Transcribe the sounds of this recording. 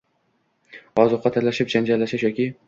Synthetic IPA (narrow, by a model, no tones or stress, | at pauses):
ɒzʊqːɑt̪ʰaɾlaʃɪp̚d͡ʒand͡ʒaɾlːaʃɪʃjɒkʲʰɪ